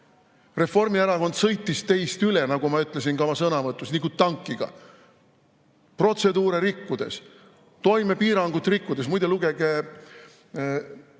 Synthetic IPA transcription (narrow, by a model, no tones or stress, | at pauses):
re̞fo̞rmieɾɑko̞nd̪̥sɤ̞jt̪ːˑist̪e̞jst̪yle̞nɑɡumɑyt̪ˑle̞s̬inkɑmɑsɤnɑvɤt̪ːˑusnikut̪ːɑŋkːˑiɡ̥ɑ̰ | pro̞t̪se̞d̪uːɾe̞ɾikːud̪̥e̞̰s | t̪o̞jme̞piːɾɑŋɡut̪ːˑrikːud̪̥e̞smujd̪eluɡeɡ̥e